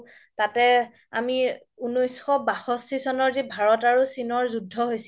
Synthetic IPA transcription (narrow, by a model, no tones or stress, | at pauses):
tatɛ | a̰mi | unojsxɔbaxɔstisɔnɔɹzibʱaɹɔtaɹusinɔɹzudʱːɔɦojsi